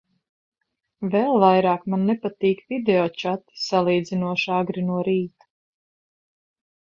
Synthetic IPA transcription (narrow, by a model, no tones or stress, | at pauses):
vɛlˠvajɾaːkmanːɛpat̪iːkvid̪ɛɔːt͡ʃat̪salˠiːd̪zinuɔʃaɡɾinuɔɾiːt̪u̥